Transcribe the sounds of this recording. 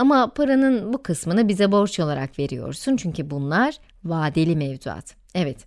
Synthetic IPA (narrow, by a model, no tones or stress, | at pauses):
amapʰaɾanɯnbukʰɯsmɯnɯbizɛbo̞ɾt͡ʃo̞lˠaɾakve̞ɾijo̞̰ɾsunt͡ʃʰyɲcybunlˠaɾ̥ | vaːd̪elʲimɛvzua̰t̪ | ɛvɛt̪